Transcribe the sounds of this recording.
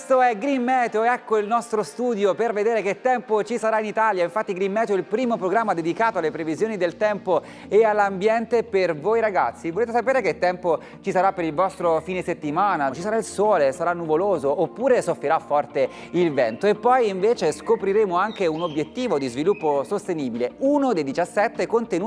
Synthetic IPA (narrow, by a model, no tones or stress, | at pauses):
st̪oɛɡɾimːɛːt̪eoɛkːoilnɔst̪ɾost̪uːd̪joperved̪eːɾeket̪ːɛmpot͡ʃisaɾainit̪aljaiɱfat̪ːiɡɾimːɛːt̪eoilpɾiːmopɾoɡɾamːad̪ed̪ikaːt̪oalːepɾevizjoːnid̪elt̪ɛmpo | ealːambjɛnt̪epervoːjɾaɡat̪sːivoleːt̪̬esapeːɾeket̪ːɛmpo | t͡ʃisaɾapːeɾilvɔst̪ɾofiːneset̪ːimaːnat͡ʃisaɾailsɔːlesaɾanːuvoloːzoːpːuːɾesofɾeɾafːɔrt̪e | ilvɛnt̪oepːɔjiɱveːt͡ʃeskopɾiɾeːmoaŋkeunobjet̪ːiːvod̪izvilupːosost̪eniːbileunod̪ejd̪it͡ʃasːɛt̪ːekont̪enuː